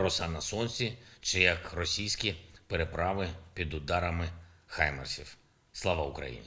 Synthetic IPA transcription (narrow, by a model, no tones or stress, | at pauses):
ɾɔsɑnɐsɔnʲsʲit͡ʃɪjɐkrɔsʲijsʲkʲipeɾepɾɑʋɪpʲid̪ʊd̪ɑɾɐmɪxɑjmḛrsʲiw | slˠaʋaʊkɾɐ̰jḭnʲi